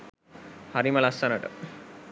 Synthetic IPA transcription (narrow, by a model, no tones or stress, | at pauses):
hɐɾimɐlɐsɐnɐʈɐ̰